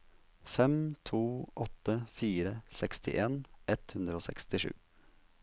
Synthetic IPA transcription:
fɛmt̪ʰuːʔɔt̪ːəfiːɾəsɛkst̪ʰɪ̰ʔeːnʔɛt̪hʉnd̪ɾəoːsɛ̰kst̪ɪʂʉ̰ː

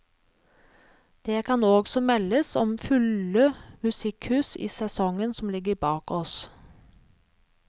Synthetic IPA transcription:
d̪̥eːkʰɑnoːɡsɔmɛləsɔmfʉləmʉsɪkhʉːsḭːsɛsɔŋənsɔm̩lɪɡəɾbɑːkɔs

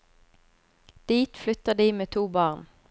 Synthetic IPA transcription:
d̪̥iːt̪flʏt̪əʁd̪iːmeːt̪ʰuːbɑːʁn

